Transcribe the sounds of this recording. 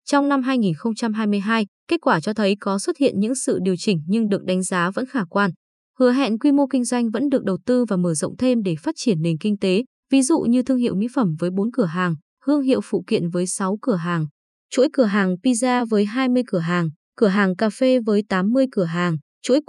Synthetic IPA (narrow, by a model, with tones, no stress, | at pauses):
t͡ɕɔ˧wŋ͡mna˧mɦaː˧jŋi˨˩nxə˧wŋ͡mt͡ɕa˧mɦaː˧jmɨ˧əjɦaː˧jke˦˥t̚kwaː˧˩t͡ɕɔ˧t̪ʰə˨˦jkɔ˨˦swə˦˥t̚hḭ˧˨ənɲɨ̰˧˥ŋsɨ̰˧˨ɗi˨˩əwt͡ɕï˧˩ŋ̟ɲɨ˧ŋɗɨ˨˩ək̚ɗa˨˦jŋ̟zaː˨˦və̰˧˥nxaː˧˩kwaː˧n | hɨ˨˦əɦɛ̰˧˨nkwi˧mo˧kï˧ŋ̟zwa˧jŋ̟və̰˧˥nɗɨ˨˩ək̚ɗə˨˩wt̪ɨ˧vaː˨˩məː˧˩zə̰˧˨wŋ͡mt̪ʰe˧mɗe˧˩faː˦˥t̚t͡ɕi˧˩ənːe˨˩nkï˧ŋ̟t̪e˨˦ | vi˨˦zṵ˧˨ɲɨ˧t̪ʰɨ˧əŋhḭ˧˨wmḭ˧˥fə˧˩mvəː˨˦jɓo˨˦nkɨ˧˩əɦaː˨˩ŋ | hɨ˧əŋɦḭ˧˨əwfṵ˧˨kḭ˧˨ənvəː˨˦jsa˨˦wkɨ˧˩əɦaː˨˩ŋ | t͡ɕṵ˧˥jkɨ˧˩əɦaː˨˩ŋpi˧zaː˧vəː˨˦jɦaː˧jmɨ˧əjkɨ˧˩əɦaː˨˩ŋ | kɨ˧˩əɦaː˨˩ŋkaː˧fe˧vəː˨˦jt̪aː˨˦mːɨ˧əjkɨ˧˩əɦaː˨˩ŋ | t͡ɕṵ˧˥j